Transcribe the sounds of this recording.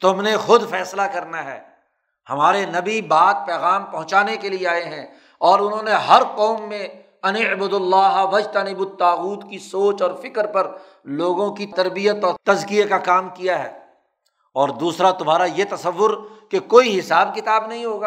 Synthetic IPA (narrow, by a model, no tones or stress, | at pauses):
t̪ʊmnexʊd̪fɛːslakɐɾnaɦɛː | hɐmaːɾenɐbibaːt̪̚pɛːɣaːmpɐ̃ɦʊ̃t͡ʃaːnekelieaːeɦɛ̃ | ɔːɾʊnɦõneɦɐɾqɔːmːẽ | ɐnɪbʊd̪ʊlːaːɦaʋɐd͡ʒt̪anɪbʊt̪aːɣuːt̪kisoːt͡ʃɔːɾfɪkəɾpɐɾ | loːɡõkit̪ɐɾbijət̪ɔːɾt̪ɐzkijekakaːmkijaɦɛ̰ː | ɔːɾd̪uːsɾat̪ʊmɦaːɾajet̪ɐsɐʋːʊɾkekoːiɦɪsaːbkɪt̪aːbnɐɦĩɦoːɡaː